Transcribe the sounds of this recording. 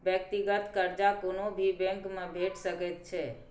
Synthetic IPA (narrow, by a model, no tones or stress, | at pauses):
bjək̚t̪iɡət̪kəɾd͡ʒakonobʱibɛ̃ŋkmẽbʱeʈsəkɛt̪̚t͡ʃʰɛ